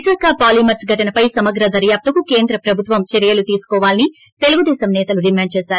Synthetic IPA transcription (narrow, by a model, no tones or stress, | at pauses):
saːkʰɐpaːlimɐɾsɡʱɐʈɐnɐpɐjsɐmɐɡ̪ɾɐd̪ɐɾjaːp̚t̪ɐkukeːnd̪ɾɐpɾɐbʱut̪ʋɐmt͡ʃeɾijɐlut̪iːsu̥kɔːʋaːlini | t̪eluɡud̪ɛːsɐmnɛːt̪ɐluɖimaːɳɖt͡ʃeːsaːɾu